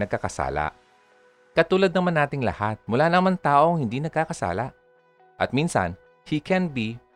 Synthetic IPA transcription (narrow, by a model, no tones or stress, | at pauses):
nɐɡkɐkɐsa̰ːla̰ʔ | kɐt̪uːlɐd̪̚nɐmanaːt̪ɪŋlɐ̰hat̪̚mʊlaːnɐmant̪aːʔo̞ŋhɪnd̪iːnɐɡ̚kakɐsa̰ːlaʔ | ʔɐt̪̚minsɐ̰n | hikʰɛnbi